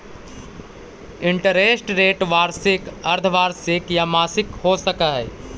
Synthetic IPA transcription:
ɪ̃ɳʈəɾeːsʈɾeːʈʋaːɾsɪkɐɾd̪ʱʰʋaːɾsɪkjamaːsɪkɦoːsəkaɦɛː

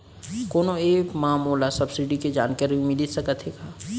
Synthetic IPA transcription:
koːnoeːkmãːmoːlasɐbsiɖiked͡ʒa̰ːnkəɾĩmɪlisɐkət̪ʰɦeːɡaː

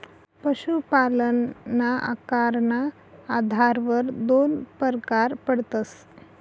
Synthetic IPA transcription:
pəɕupalənːaʔa̰kaɾna | ad̪ʱaɾʋəɾd̪onpəɾkaɾpəɽt̪əs

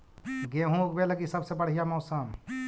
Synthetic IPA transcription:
ɡeɦũk̚beləkisəbsebəɽ̤ijamɔːsəm

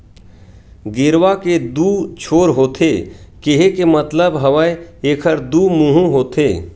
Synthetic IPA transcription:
ɡɪɾʋaked̪uːt͡ʃʰoːɾɦoːt̪ʰekeɦekemət̪ləbɦɐʋəjeːkʰəɾd̪uːmũːɦũɦoːt̪ʰeː

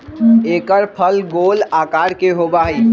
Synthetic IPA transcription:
eːkəɾpʰəlɡoːlaːkaːɾkeɦobaɦi

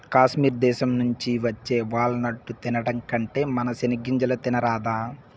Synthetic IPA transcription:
kaːʃmiːɾd̪ɛːʃɐmnuɲt͡ʃiʋɐt͡ʃːe̞ːʋaːɭːunɐʈːut̪inɐɽɐŋkɐɳʈe̞ːmɐnɐsɐniɡiɲd͡ʒɐlɐt̪inɐɾaːd̪aː

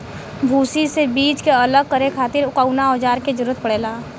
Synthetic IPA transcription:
bʱuːsisebiːt͡ʃkeɐləɡ̚kəɾekʰaːt̪ɪɾʊkaunaɔːd͡ʒaːɾked͡ʒɐɾuːət̪̚pəɽ̤eːlaː

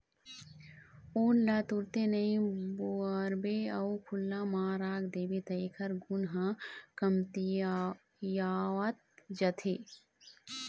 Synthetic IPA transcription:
uːnlat̪uɾt̪enɐĩbuəɾbeɐukʰʊlːaːmaːɾaːɡd̪eːbet̪ɐjkʰɐɾɡʊnɦãkɐmt̪i | jaːwɐt̪̚d͡ʒɐt̪ʰeː

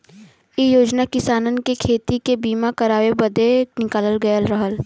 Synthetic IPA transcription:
ijoːd͡ʒnakɪsaːnənkekʰeːt̪ikebiːmakɐɾaːwebɐd̪enɪkaːləlɡɐjəlɾɐɦəl

